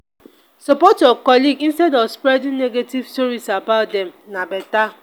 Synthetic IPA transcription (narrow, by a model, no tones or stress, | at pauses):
sɔpɔtɔkɔliɡĩnstɛdɔvspɾɛdĩnneɡetivstɔɾisabaʊt̚dɛmnabɛta